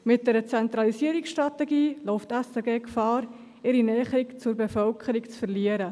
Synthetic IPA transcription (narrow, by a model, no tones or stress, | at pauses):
mɪt̚d̥ɛɾət͡sɛnt̪ɾɑlisiəɾiksʃtɾɑtɛɡiːloʊftɛsɛɡeːkfɑːɾ | ɪɾinɛːχɾikt͡sʊɾbefœlkʰəɾikt͡sfəɾliəɾə